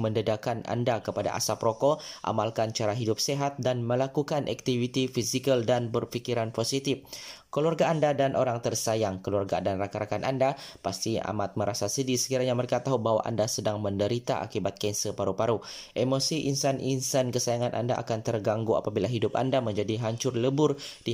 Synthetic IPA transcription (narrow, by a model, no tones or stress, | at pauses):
məndədakana̰ndakəpada̰ʔa̰sapɾokoʔa̰malkant͡ʃaɾaɦidʊp̚seɦat̪̚danməlakukanʔa̰k̚t̪ivit̪ifisikəldanbərfikiɾanposit̪ifkəluarɡaːndadanʔoɾaŋt̪ərsajaŋkəluarɡa̰danrakaɾakanʔa̰ndapast̪ia̰mat̪̚məɾasasədisə̥kiɾaɲaməɾekat̪aɦubaɦwa̰ʔa̰ndasədaŋməndəɾit̪aʔa̰kibat̪̚kansəpaɾupaɾu | ʔemosiʔinsanʔinsankəsajaŋanʔa̰nda̰ʔa̰kant̪ərɡaŋɡua̰pabilaɦidʊpa̰ndaməɲd͡ʒadiɦaɲt͡ʃʊrləbʊrd̥i